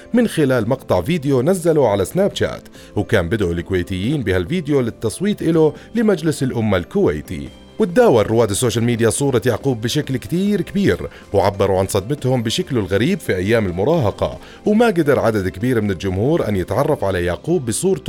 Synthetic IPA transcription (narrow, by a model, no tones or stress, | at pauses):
mɪnxɪlaːlmɑqt̪ˤɑʕviːd̪ɪjonazːaluʕalasnaːbt͡ʃa̰ːt̪ | wkaːmbɪd̪ʔʊlɪkʊweːt̪ɪjːiːnbɪhalviːd̪ɪjolɪt̪ːɑsˤwiːt̪ˤʔɪlʊlɪmad͡ʒlɪsɪlʔʊmːalkʊwḛːt̪ḭ | wɪt̪̚d̪aːwarˤːʊwaːd̪sːoːʃalmiːd̪ɪjasˤuːɾˤɑjaʕquːbːɪʃaklkt̪iːɾkabiːɾ | wʕabːɑɾˤuʕansˤɑd̪mɪt̪hʊmbɪʃaklʊlɣaɾiːbfiʔajːaːmɪlmʊɾˤɑːɦɑqɑ̰ | wmaɡad̪ɑɾˤʕad̪ad̪kabiːɾmɪnɪld͡ʒʊmhuːɾʔa̰njɪt̪ʕɑrˤːɑfʕalajaʕquːbːɪsˤuːɾˤ